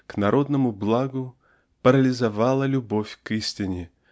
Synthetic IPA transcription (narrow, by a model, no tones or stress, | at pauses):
knɐɾʔo̞d̪nəmʊblˠaɡʊ | pəɾəlʲɪzavalˠəlʲʊbofʲkisʲtʲɪnʲɪ